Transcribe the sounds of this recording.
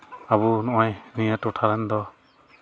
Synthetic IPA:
aβunɔʔajnijatɔʈʰaɾand̪ɔ

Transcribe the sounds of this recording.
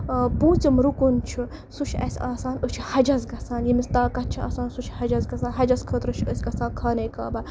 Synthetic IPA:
pũːt͡simɾukunt͡ʃʰu | sut͡ʃʰɐ̰sʲaːsaːnət͡ʃʰi̥hɐd͡ʒɐzɡɐsaːnjimist̪aːkɐt̪̚t͡ʃʰia̰ːsaːnsut͡ʃʰhɐd͡ʒɐzɡɐsaːnɦɐd͡ʒɐskʰəːt̪ɾət͡ʃʰəsʲɡɐsaːkʰaːneːka̰ːbɐ

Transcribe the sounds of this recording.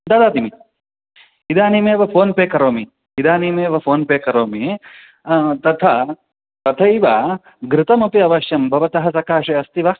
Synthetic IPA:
d̪aːd̪aːd̪imi | id̪aːnimeːʋɐpʰoːnpeːkɐɾoːmi | id̪aːnimeːʋɐpʰoːnpeːkɐɾoːmi | t̪ɐt̪ʰɐ | t̪ɐt̪ʰɐiʋɐ | ɡɾɪt̪ɐmɐpiɐʋɐʃjɐmbʱɐʋɐt̪ɐɦɐsɐkaːʂɐɐst̪iʋɐ

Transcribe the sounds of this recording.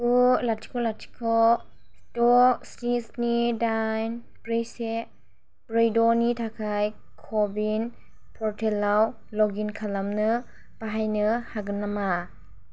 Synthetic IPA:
ulatʰi̥kʰɔlatʰi̥kʰɔ | stɔstisnidajn | bɾejse | b̥ɾejdɔnitʰakʰaj | kʰɔbin | pʰɔɾtʰɛlːaw | lɔɡinkʰalamnɯ | paɦajnɯhaɡɯnːama

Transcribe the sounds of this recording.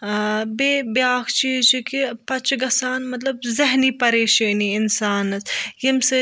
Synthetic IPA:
beːbjaːkʰt͡ʃiːzt͡ʃikipɐt͡ʃɡɐsaːnmɐt̪̬lɐbzɐɦnipɐɾeːʃeːniɪnsaːnɐsjimse

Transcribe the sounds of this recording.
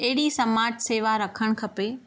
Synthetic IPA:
ɐɦɪɽisɐmaːʈseːʋaɾɐkʰəɽ̃kʰɐpeː

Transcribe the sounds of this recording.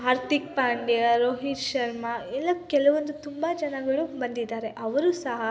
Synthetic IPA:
aːɾt̪ik̚paːɳɖijɐɾoːɦit͡ʃʃɐɾmaɛlːɐkɛlɐʋond̪ut̪umbɐd͡ʒɐnɐɡɐɭubɐnd̪id̪ːaːɾe̞ʔɐʋɐɾusɐɦɐ

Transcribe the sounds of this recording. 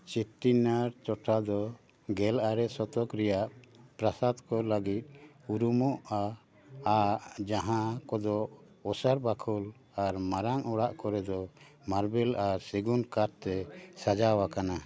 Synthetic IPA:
t͡ʃiʈːinaɾt͡ʃɔʈʰad̪ɔ | ɡɛlaɾɛsɔt̪ɔkɾɛjaʔpɾasad̪kɔlaɡit̪̚uɾumɔʔaː | ʔd͡ʒaɦãkɔd̪ɔʔ | ɔsaɾbakʰɔl | aɾmaɾaŋɔɽaʔkɔɾɛd̪ɔ | maɾbɛlaɾsiɡunkaɾt̪ɛsad͡ʒawakana

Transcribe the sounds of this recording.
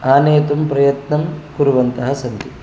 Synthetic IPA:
aːneːt̪umpɾɐjɐt̪nɐmkuɾuʋɐnt̪ɐɦɐsɐnt̪i

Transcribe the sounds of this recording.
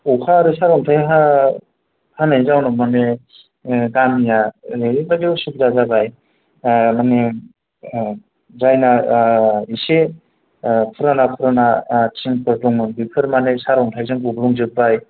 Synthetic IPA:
ukʰaɾɯsaɾɔŋtʰajɦa | hanajzawnɔmane | ɡamijaebad͡ʒewsub̚zazabaj | mane | zajna | ise | pʰɯɾanapʰɯɾanatʰiŋpʰɯɾtuŋmɯnbipʰɯɾmanesaɾɔŋtʰajzɯŋubɾuŋzɯk̚baj

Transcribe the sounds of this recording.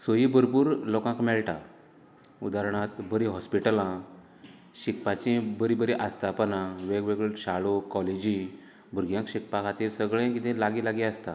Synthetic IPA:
səjibəɾpuːɾlɔkãkmɛɭʈa̰ | ud̪aɾɳ̃at̪bəɾiɦɔspiʈəlã | ɕik̚pat͡ɕĩbəɾibəɾiʔast̪ʰapənãʋeɡʋeɡɭɕaɭokɔled͡ʑĩ | bʱuɾɡjãŋkɕik̚pakat̪iːɾsəɡɭẽkit̪ẽlaɡilaɡiast̪a

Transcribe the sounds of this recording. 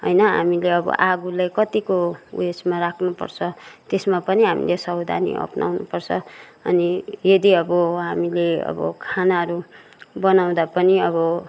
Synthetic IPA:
ɦʌjnʌɦa̰mileʌbʌ̰ʔaɡulajkʌt̪ikoṵesmaɾakʰnupʌ̰rt͡sʰʌt̪esmapʌniɦamḭlesʌwd̪ʱa̰nḭʔʌ̰pnʔa̰wnupʌrt͡sʰʌʌnijʌd̪iʌbʌɦamileʌ̰bʌ̰kʰanaɦʌɾu | bʌnaw̃d̪apʌniʌβʌ

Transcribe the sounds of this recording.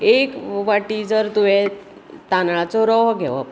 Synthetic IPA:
ekʋaʈiːd͡zəɾt̪uʋe | t̪anɭat͡sɔɾɔɦɡʱɛʋa̰p

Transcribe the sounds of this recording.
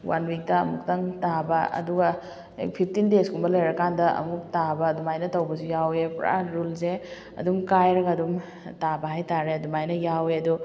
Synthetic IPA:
wa̰nwik̚tɐ̰ːmuk̚tɐŋtabɐɐ̰duɡɐ̰ | pʰip̚ʰtindeskumbɐlɐjɾɐkandɐɐ̰muk̚tabɐːdumajnɐtɐwbɐsujawepɾa̰ɾulse | ɐ̰dumkajɾɐɡɐːdum | tabɐɦajtaɾeɐdumajnɐjaweɐdu

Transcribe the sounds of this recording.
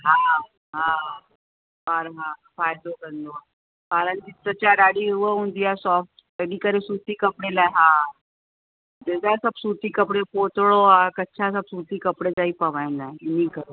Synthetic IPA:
ɦã | ɦã | baɾɦãfajd̪okənd̪oa | paɾənd̪isət͡ɕaɖaɽiuʋəund̪ijasɔfʈ | əɽiːkəɾesut̪iːkəpɽelaɦã | d̪ed̪asəbsut̪iːkəpɽepot̪ɭoɦakətːt͡ɕʰasəbsut̪iːkəpɽed͡zaiːpəʋajnajniːkəɾo

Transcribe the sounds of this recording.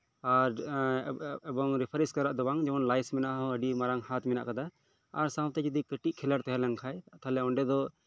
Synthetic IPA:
aɾ | ɛbɔŋɾipʰəɾiskaɾaʔd̪ɔbaŋd͡ʒɛɔnlajsmɛnaʔɦɔəɖimaɾaŋhat̪mɛna̰ʔkad̪a | a̰ɾsawt̪ɛd͡ʒid̪ikəʈiʔkʰɛlaɾt̪ɦɛlɛŋkʰajt̪ʰalɛɔɳɖɛd̪ɔ

